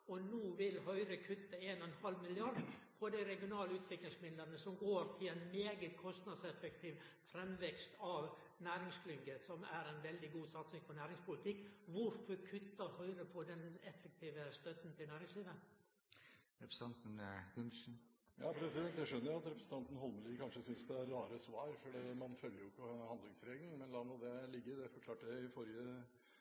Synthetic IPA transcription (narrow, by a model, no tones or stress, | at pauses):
ɔnuːʋɪlɦœʏɾəkʰʉt̪ːəeːnɔɛnhɑlmɪlɪɑɾd̪pʰɔd̪æɪɾɛɡɪʊnɑːləʉːt̪ʋɪklɪŋsmɪd̪ləɾnəsɔmɡoːɾt̪ʰɪlæɪnmeːɡət̪kʰɔst̪nɑd̪sɛfɛk̚t̪ʰiːʋfɾɛmʋɛkst̪ʰɑʋ | næːɾɪŋsklʏŋɡəsɔmæɾæɪnʋɛld̪ɪɡuːsɑsɪk̪pʰɔnæːɾɪŋspʊlɪt̪ʰɪkːʋʊɾfɔɾkʰʉt̪ːɑhœʏɾəpʰɔd̪ɛnɛfək̚t̪ʰiːʋəst̪œt̪n̩t̪ʰɪlnæːɾɪŋsliːʋə | ɾɛpɾɑnt̪n̩kʊmʃn̩jɑ̰ːpʰɾɛsɪd̪ɛnt̪jæɪʂœnːəɾjʊɑt̪ɾɛpɾəsən̩t̪ɑnt̪n̩ɦɔlməliːkʰɑnʂəsʏnsd̪ɛæɾːɑːɾəsʋɑːɾfɔɖɛmɑnfœljəɾjʊkːɔhɑnd̪lɪŋsɾeːɡl̩mɛnlɑnɔd̪ɛlɪɡːəɾd̪ɛfɔɾkʰlɑːʈəæɪɪfɔɾjə